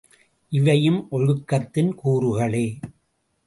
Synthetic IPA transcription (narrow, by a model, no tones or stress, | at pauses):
ʔɪʋɐjɯmʔɔɻɯkːɐt̪ːɪnkuːrɯɣɐɭeː